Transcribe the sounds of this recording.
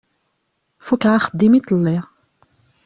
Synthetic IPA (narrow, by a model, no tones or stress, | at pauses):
fukʕaxəd̪ːimit̪ˤlːi